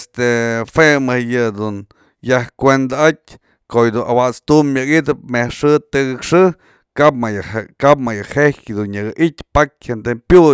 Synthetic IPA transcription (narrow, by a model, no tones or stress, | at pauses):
est̪efemɨjɨd̪un | jahkʷend̪aat̚ʲ | kojd̪unʔawat͡st̪umːjɨkit̪ɨp̚mehʂɨt̪ɨɡɨkʂɨ | kapajkap̚majahehd̪unjɨɡɨʔit̪ʲpak̚ʲhent̪epju